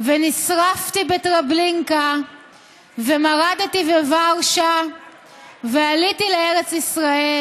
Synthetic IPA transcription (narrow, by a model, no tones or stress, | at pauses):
venisʁaftibetʁabliŋka | ve̞maʁad̪tivevaʁʃa | vealitileeʁet͡sisʁae